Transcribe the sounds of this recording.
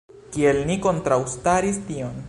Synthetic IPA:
kielniko̞nt̪ɾawst̪aɾist̪ion

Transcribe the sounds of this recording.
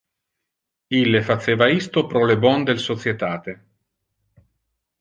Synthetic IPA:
ilːefat̪sːeːvaist̪opɾɔlebɔnd̪elsot̪sjet̪aːt̪e

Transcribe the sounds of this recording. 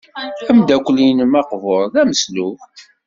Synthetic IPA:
æmd̪ækʷːlinəmɑqvoɾˤðæməsluf

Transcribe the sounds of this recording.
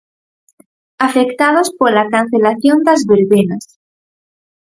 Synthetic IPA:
afekt̪að̞ospolakan̟θelaθjond̪azβeɾβenas

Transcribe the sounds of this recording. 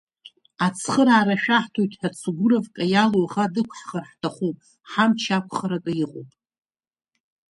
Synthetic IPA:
at͡sʰχəɾaːɾaʃᶣaħtʰojtʰʼħat͡sʰɡʷʊɾavkʼajaloʁadɨkʷʰħχarħtʰaχupʼ | ħamt͡ʃʰakʷʰχaɾakʼaiqʼo̰wpʼ

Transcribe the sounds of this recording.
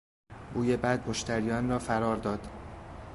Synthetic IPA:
buːjebæd̪̚moʃt̪ʰæɾijɒːnrɒːfæɾɒːɾd̪ɒːd̪̥

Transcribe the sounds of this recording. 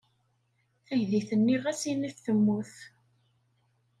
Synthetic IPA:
θæʝðiθənːiʁæsiniθθəmːuθ

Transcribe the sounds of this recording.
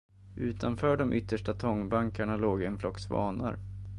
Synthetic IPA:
ʔʉ̟ːt̪ʰanfœːɖɔmʔʏt̪ʰːəʂʈat̪ʰɔŋːbaŋkaɳaloːɡɛnflɔksvɑ̰ːna̰ɾ

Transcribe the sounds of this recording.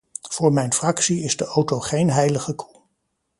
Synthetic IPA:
v̥ʊːɹmɛjnfrɑksiɪzdəʔowtowχejnɦɛjləχəkʰu

